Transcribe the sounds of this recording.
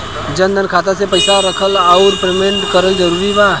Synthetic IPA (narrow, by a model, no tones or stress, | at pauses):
d͡ʒə̃nd̪ənkʰaːt̪̬asepəɪsaɾəkʰəlaːʊɾpɾemẽɳʈkəɾəld͡ʒəɾuːɾibaː